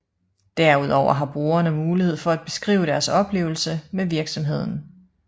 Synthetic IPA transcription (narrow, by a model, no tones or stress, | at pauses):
d̥æɐuð̞ˠɒʊ̰ɐɦɑ̈b̥ʁo̝ːɐnəmuːliheð̰ˠfɒ̽æd̥̚b̥e̝̥sɡ̥ʁḭːʊəɾ̥æɐsɒ̽b̥le̝̰ːʊl̩səmeʋiɐɡ̥sɒ̽mɦe̝ð̞̰ˠn̩